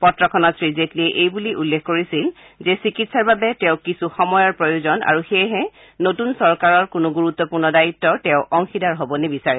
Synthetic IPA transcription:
pɔtɹɔkʰɔnɔtsɹizetliɛʔejbuliʔulːekʰkoɹisil | zɛsikitsaɹbabɛtɛʊ̃kisuxɔmɔjɔɹpɹojuzɔna̰ɹuxejɦɛ | notunsɔɹkaɹɔɹkʊnʊɡuɹut̪ːɔpuɹnɔdaitːɔtɛʊ̃ʔɔŋxidaɹɦobɔnɛbisaɹɛ

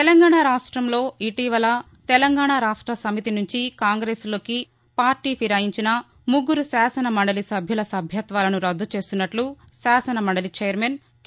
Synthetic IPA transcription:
t̪ɛlɐŋɡaːɳaːɾaːʂʈɾɐmlo̞ːiʈiːʋɐlɐ | t̪ɛlɐŋɡaːɳaɾaːʂʈɾɐsɐmit̪inuɲt͡ʃikaːŋɡɾeːslo̞ːki | paːɾʈiːpʰiɾaːjiɲt͡ʃinɐ | muɡːuɾusaːsɐnɐmɐɳɖɐlisɐbʱjulɐsɐbʱjɐt̪ʋaːlɐnuɾɐd̪ʱːut͡ʃe̞ːst̪unːɐʈlu | saːsɐnɐmɐɳɖɐlit͡ʃeːjɐɾmeːn

